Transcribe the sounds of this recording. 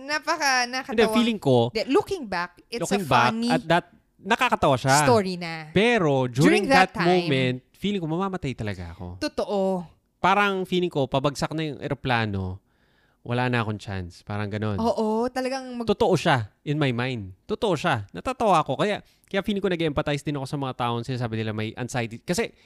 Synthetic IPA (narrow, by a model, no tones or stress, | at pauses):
napɐkanɐkɐnd̪ɛfiːlɪŋko̞dlukɪŋbak̚ | ukɪŋbaknɐd̪ɐt̪̚ | nɐkakɐt̪ɐwaʃaoɹinɐpɛːɾo̞d͡ʒuːɹɪ̃ŋðɐt̪̚ːmommɛnt̪̚fiːlɪŋkomɐmaːmɐt̪ajt̪ɐlɐɡa̰ʔɐko̞̰t̪ot̪oʔo | paːɾɐŋfiːlɪŋko̞pɐbɐɡ̚sak̚nɐjʊŋʔɛ̰ɾoplaːno̞̰ | wʔɐ̰laːnɐʔɐko̞ŋt͡ʃa̰nspa̰ːɾɐŋɡɐno̞noːʔot̪ɐlɐɡaŋmɐɡt̪ot̪oʔo̞ʃaʔɪnmajmajnd̪̚t̪ot̪oʔo̞ʃanɐt̪aːt̪ɐwaːɐko̞kɐjaʔ | kɐjaʔfiːlɪŋkonɐɡeʔɛmpɐt̪ajsd̪ɪnɐko̞sɐmɐŋat̪aːʔoŋsɪnasaːbɪnɪlamɐjʔɐ̰nsajt̪ikɐsɛ